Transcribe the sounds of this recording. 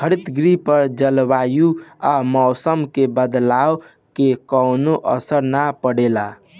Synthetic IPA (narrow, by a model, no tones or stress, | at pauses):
kʰəɾit̪ɡɾipəɾd͡ʒəlbajuamɔwsəmkebəd̪law | kekɔwnoʔʌ̰səɾnapəɽela